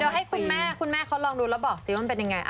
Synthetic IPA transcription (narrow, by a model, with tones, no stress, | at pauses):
deː˧ɦa˥˩jkʰu˧nmɛː˥˩kʰu˧nmɛː˥˩kʰa˦˥wlɔː˧ŋduː˧lɛː˧˦˥bɔː˨˩k̚siː˨˦ma˧˨mpe˧nja˧ŋːa˧jʔa˧